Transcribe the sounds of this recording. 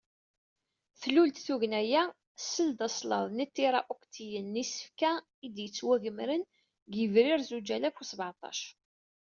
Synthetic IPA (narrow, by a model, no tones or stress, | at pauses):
θlult̪θuʝnæjæ | səld̪ɑsˤlɑ̰ðˤnit̪ːiɾˤɑʔokt̪ʰijənːisə̥fkæ | id̪jət͡sːwæʝəmɾən | ɡəvɾiɾzud͡ʒælæfusəbʕɑt̪ˤɑ̰ʃ